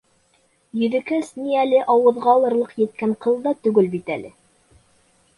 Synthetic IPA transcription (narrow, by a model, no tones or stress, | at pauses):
jɵ̆ðɘ̆kɘsniælɘʔɑwɤ̆ðʁɑlˠɤ̆ɾlˠɤqjɘ̆t̪̚kæɴqɤ̆lˠd̪ɑt̪ʉɡɘlbit̪æ̰lɘ